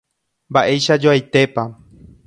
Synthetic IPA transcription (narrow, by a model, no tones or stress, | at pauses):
mbaʔe̞jʃad͡ʒoajt̪e̞pa